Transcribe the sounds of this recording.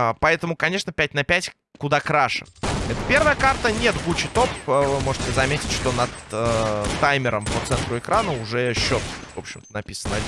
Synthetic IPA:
pɐɛt̪əmʊkɐnʲe̞ʂnəpʲæt̚ʲnɐpʲætʲ | kʊd̪akɾaʂɨ̥̰ɛt̪əpʲe̞rvəjəkart̪ənʲet̪ɡut͡ɕɪt̪o̞pvɨmoʐɨtʲɪzɐmʲetʲɪtʲʂt̪o̞nɐt̪ətːajmʲɪɾəmpot̪sɛnt̪ɾʊɪkɾanəʊʐɛɕːo̞t̪vo̞pɕːɪmt̪ənɐpʲisənə

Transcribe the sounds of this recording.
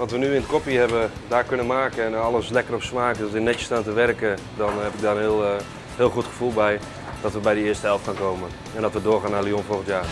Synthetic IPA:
ʋɔtʋənyɪnətkopihɛbə | daːkønənmaːkəɛnɔləslɛkərɔpsmaːkdøsɪnɛtstaːntəʋɛrkə | dɔnhɛpɪɡ̚daənhɪlˠ | hɪːlˠxutxə̥fulˠbɛj | d̥ɔtʋəbɛjdəɪəstəhɛlˠftkʰaːnkoːmən | ɛndɔtʋədoːxaːnalionfolˠɣən̩tjaː

